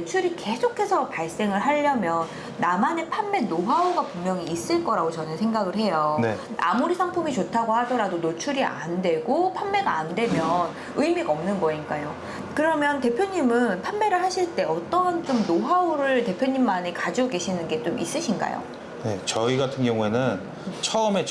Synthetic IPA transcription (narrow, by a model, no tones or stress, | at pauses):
t͡ɕʰuɾike̞sʰokʰe̞sʰʌpaɭs͈e̞ŋɯɭɦaʎːʌmjʌnː | amane̞pʰanːe̞noɦaoɡapummjʌŋiːs͈ɯɭk͈ʌɾaɡot͡ɕʌnɯnsʰe̞ŋɡaɡɯɭɦe̞jone | ʔa̰muɾisʰaŋpʰumit͡ɕotʰaɡohadʌɾadonot͡ɕʰuɾiʔa̰ndwe̞ɡopʰanːe̞ɡaːndwe̞mjʌn | ɯimiɡʌmnɯnɡʌɲik͈ajo | kɯɾʌmjʌnte̞pʰjoɲimɯnpʰanːe̞ɾɯɭɦaɕʰiɭt͈e̞ʔʌt͈ʌnt͡ɕomnoɦaoɾɯɭte̞pʰjoɲimːane̞kad͡ʑioɡe̞ɕʰinɯnɡe̞t͡ɕomʔis͈ɯɕʰinɡa̰jo̰ | ne̞t͡ɕʌiɡatʰɯnɡjʌŋue̞nɯn | t͡ɕʰʌɯme̞